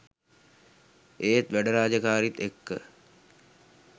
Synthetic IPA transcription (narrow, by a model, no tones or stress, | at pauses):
eːt̪ʋæɖəɾaːd͡ʒəkaːɾit̪ekːə̰